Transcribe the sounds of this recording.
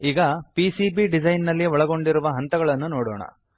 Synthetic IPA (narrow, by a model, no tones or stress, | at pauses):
iːɡɐpisibiɖid͡ʒɐjnːɐlːiɔɭɐɡo̞ɳɖiɾuʋɐɦɐnt̪ɐɡɐɭɐnːunoːɽɔ̰ːɳɐ̰